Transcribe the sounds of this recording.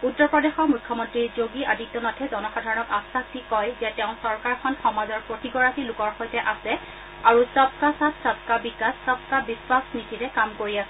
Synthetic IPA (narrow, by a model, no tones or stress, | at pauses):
utːɔɹpɹɔdexɔɹmujkʰːɔmɔntɹiɹzoɡiʔaditːɔnatʰɛzɔnɔxadʱaɹɔnɔkasaktikɔjzɛtɛʊ̃sɔɹkaɹkʰɔnxɔmazɔɹpɹotiɡɔɹatilʊkɔɹxojtɛʔasɛ | aɹusɔp̚kasatsɔp̚kabikassɔp̚kabiswasnitiɹɛkamkoɹiasɛ